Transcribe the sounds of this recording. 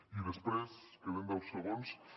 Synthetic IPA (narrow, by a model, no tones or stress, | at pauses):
iðespweskeβend̪awsoɣons